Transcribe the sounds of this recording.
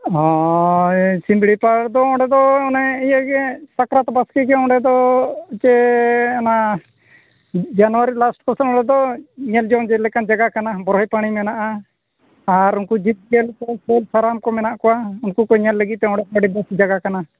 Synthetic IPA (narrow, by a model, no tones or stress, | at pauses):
ɔ | simbɽipaɽd̪ɔɔ̃ɖɛd̪ɔɔnɛijaɡɛsakɾat̪baskikɛɔ̃ɳɖɛd̪ɔt͡ʃɛana | d͡ʒanwaɾilasʈkɔsənɔ̃ɳɖɛd̪ɔɲɛld͡ʒɔŋd͡ʒɛlɛkand͡ʒaɡakanabɔɾɦɔjpaɽ̃imɛnaʔaː | ɾunkud͡ʒit̪̚ɡɛlkɔkɛlsaɾamkɔmɛnaʔkɔwaunkukɔɲɛlːəɡit̪̚t̪ɛɔ̃ɳɽɖɛbaɽib̪ɛsd͡ʒaɡakana